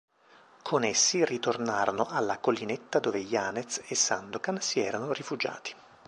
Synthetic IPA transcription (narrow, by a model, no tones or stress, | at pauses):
kʰonesːirit̪ornaːɾonoʔalːakolːinet̪ːad̪oːvejaːnet̪sesːand̪okansiɛːɾanorifud͡ʒa̰ːt̪i̥